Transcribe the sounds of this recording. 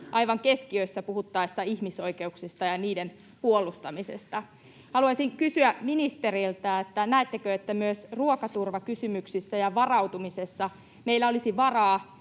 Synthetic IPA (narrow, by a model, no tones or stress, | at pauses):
ʔɑjʋɑŋkeskiøisːæpuhut̪ːɑisːɑihmiso̞ike̞uksist̪ɑjɑniːdem | puolust̪ɑmisḛst̪ɑ | hɑluɑsiŋkysyæminist̪erilt̪æːet̪ːænæːt̪ːekøet̪ːæmyøsruokɑt̪urʋɑkysymyksisːæjɑʋɑrɑut̪umisesːɑ | meilːæo̞lisiʋɑrɑː